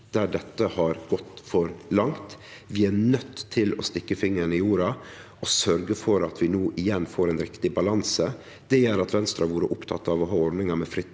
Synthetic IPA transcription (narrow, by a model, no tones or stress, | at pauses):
d̪̥æɖɛt̪ːəhɑɾɡ̥ɔt̪ːfɔɾlɑŋt̪ʋɪænœt̪ʰːɪlɔ̰st̪ɪkːəfɪŋːəɾnɪjuːɾɑ | ɔsœɾɡəfɔɾɑt̪ʰʋɪnuːʔɪjɛnfoːɾɛnɾɪkt̪ɪbɑlɑnsə | d̪̥ɛjɛɾɑt̪ʋɛnst̪ɾɑʋuːɾəʔʊpt̪ʰɑ̰t̪ːɑʋɔɦɑːɔɾɖ̪nɪŋɑmɛfɾɪt̪